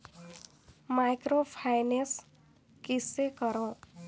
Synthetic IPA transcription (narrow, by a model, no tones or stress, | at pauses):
majkropʰajnes | kisːekʌɾõ